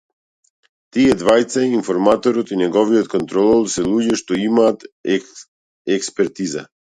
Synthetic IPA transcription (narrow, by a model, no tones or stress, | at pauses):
t̪iɛd̪vajt̪sainfɔɾmat̪ɔɾɔt̪inɛɡɔvijɔt̪kɔnt̪ɾɔlˠɔlˠsɛlˠuɟɛʃt̪ɔimaːt̪ | ɛkspɛɾt̪iza̰